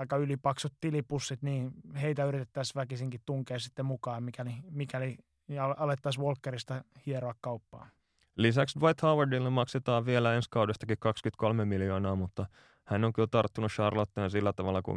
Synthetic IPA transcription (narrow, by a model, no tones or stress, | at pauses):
ɑikːɑylipɑksot̪t̪ilipusːit̪niːheit̪æyrit̪et̪ːæsʋækisiŋkit̪t̪uŋkeːsit̪ːemukɑːmikælimikæli | ɑlɑlet̪ːɑsʋolkːerist̪ɑhieroɑkkɑupːɑ̰ː | lisæksdʋɑit̪hɑːwɑrdilːemmɑkset̪ɑːʋʋielæenskɑudest̪ɑkikkɑkskyt̪kʰolmemiljoːnɑːmut̪ːɑ | hænːoŋkyot̪ɑrt̪ːunusʃɑrlot̪ːeːnsilːæt̪ɑʋɑlːɑkṵ